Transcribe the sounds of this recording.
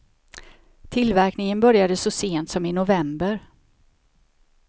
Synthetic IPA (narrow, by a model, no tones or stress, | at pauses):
t̪ʰɪlvæɾknɪŋənbœɾjad̪əsɔseːnt̪sɔmɪnʊvɛmbəɾ